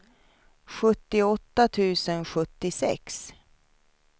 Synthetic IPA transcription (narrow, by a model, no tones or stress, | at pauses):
ɧɵt̪ːɪɔt̪ːat̪ʰʉ̟ːsənɧɵt̪ːɪsɛ̰ks